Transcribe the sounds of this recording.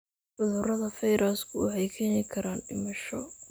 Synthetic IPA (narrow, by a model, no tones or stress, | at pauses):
ʔʊðʊrɐðɐfɛjɾʔaskʰʊhɛjkʰɐnɪkʰɐɾaːnɖɪmɐʃɔ